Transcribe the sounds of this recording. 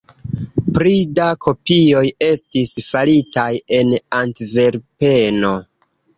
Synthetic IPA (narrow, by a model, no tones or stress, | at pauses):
pɾidakʰo̞pio̞je̞stisfalitaje̞nantve̞ɾpe̞no̞